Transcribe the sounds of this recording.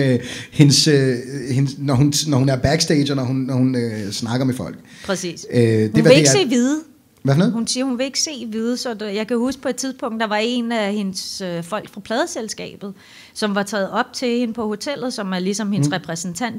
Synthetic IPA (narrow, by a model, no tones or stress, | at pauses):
øhe̝nsøhe̝nsnɒɦunnɒhunæɐb̥æɡ̥sd̥eɪ̥ɐnɒhunːɒhunøsnɑ̈ɡ̥ɐmefɒ̽l̰ɡ̥ | pʰʁɛsḭːsdhu̥eʋæeedeɡse̝̰ːʋiðˠ | ʋæfnoð̩hunsiːɐhunʋe̝e̝ɡ̥se̝̰ːʋið̞ˠəsɒ̽jɑ̈ɪkʰæhusɡ̥pʰɒ̽ed̥̚t͡sʰið̞ˠpʰɔ̽ŋ̰d̥ɑ̈ʋɑ̈e̝næhe̝nsøfɒ̽l̰ɡ̥fʁɑ̈pʰlɛːð̞ˠəselsɡ̥ɛ̰ːb̥ð̩ˠ | sɒ̽mʋɑ̈t͡sʰɛ̰ːð̞̩ˠɒ̽b̥̚t͡sʰe̝he̝nəpʰɒ̽ho̝t͡sʰel̰ð̞̩ˠsɒ̽mæɐlisɒ̽mhe̝nsʁɛpʰʁɛsn̩t͡sʰæn̰d̥